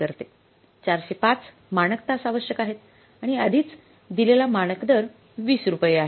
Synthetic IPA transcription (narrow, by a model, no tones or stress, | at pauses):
əɾt̪e | t͡ɕaɾɕepat͡s | maɽ̃əkt̪asaʋəɕjəkaɦet̪ | aɽ̃iəd̪ʱiːt͡s | d̪ilelamaɽ̃əkd̪əɾ | ʋiːsɾupəjeaɦe